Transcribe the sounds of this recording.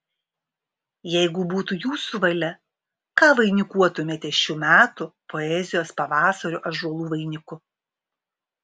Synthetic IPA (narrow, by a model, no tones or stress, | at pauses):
jɛɪɡʊbuːt̪ujuːsuʋɐlʲɛ | kɑːʋɐɪnʲɪkuɔt̪ʊmʲeːt̪ʲɛʃʲuːmʲæːt̪ʊpɔɛzʲɪjoːspɐʋɑːsɐɾʲʊʔɐʒuɔlˠuːʋɐɪnʲɪkʊ